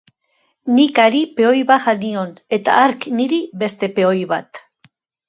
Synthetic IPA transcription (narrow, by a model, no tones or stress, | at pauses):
nikaɾipe̞o̞jβaɣanio̞ne̞t̪a̰aɾkniɾiβe̞st̪e̞pe̞o̞jβat̪